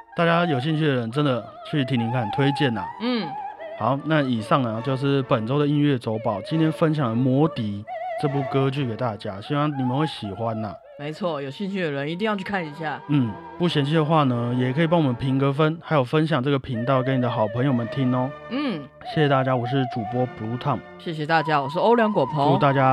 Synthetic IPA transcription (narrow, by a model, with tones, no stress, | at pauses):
t̪a˥˩t͡ɕja˥jo˨˩ʊɕ̬i˥˧ŋt͡ɕʰy˥˩d̪ə˩ə˧˦nʈ͡ʂə˦˥nd̪ə˨ | t͡ɕʰy˥˩t̪ʰi˧˥ŋni˧˥ŋkʰa˥˩nt̪ʰwe˥ɪt͡ɕjɛ˥˩nə̰˩n̩˥˩ha˨˦ʊna˥˩i˨˩ʂɑ˥˩ŋnə˩t͡ɕjo˥˧ʊʂ̬ɻ̩˥˩pə˨˩nʈ͡ʂo˥ʊd̪ə˨i˥nɥɛ˥˩t͡so˧˥ʊpɑ˨˩˦ʊt͡ɕi˥nt̪ʰjɛ˥nfə˦˥nɕ̬jɑ˨˩ŋd̪ə˩mwɔ˧˥t̪i˧˥˦ʈ͡ʂɤ˥˧p̬u˥˩kɤ˦t͡ɕy˥˩ke˨˩ɪt̪a˥˩t͡ɕja˥ɕi˥wɑ˥˩ŋni˨˩mə˨˦nxwe˥˩ɪɕi˨˩xwa˦nə˨˩ | me˧˥ɪt͡sʰwɔ˥˩jo˨˩ʊɕi˥˧nt͡ɕʰy˥˩d̪ə˩ɻə˧˦ni˧t̪i˥˧ŋjɑ˥˧t͡ɕʰy˥˩kʰa˥˩ni˧˦ɕja˥˩n̩˥˩ | pu˥˩ɕjɛ˧˥nt͡ɕʰy˥˩d̪ə˩xwa˥˩nə˩jɛ˨˩kʰə˧˥i˨˩pɑ˥ŋwɔ˨˩mə˦npʰi˧˥ŋkɤ˧˥fə˦nxa˧˥ɪjo˨˩ʊfə˦nɕ̬jɑ˨˩ŋʈ͡ʂɤ˥˩ɡə˩pʰi˧˥ŋt̪ɑ˥˧˨ʊkə˦ni˨˩d̪ə˦xɑ˨˩ʊpʰə˧˥ŋjo˨˩ʊmə˨˦nt̪ʰi˦˥ŋɔ˧ | n̩˥˩ | ɕjɛ˥˩ɕjɛ˨˩t̪a˥˩t͡ɕja˥wɔ˨˩ʂ̬ɻ̩˥˩ʈ͡ʂu˨˩pwɔ˦˥pu˧˥t̪ʰɑ˥˩ŋ | ɕjɛ˥˩ɕ̬ɛ˨˩t̪a˥˩t͡ɕja˦˥wɔ˨˩ʂ̬ɻ̩˥˩o˥ʊljɑ˧˥ŋkwɔ˨˩pʰo˨˦ŋu˨˥t̪a˥˩t͡ɕja˥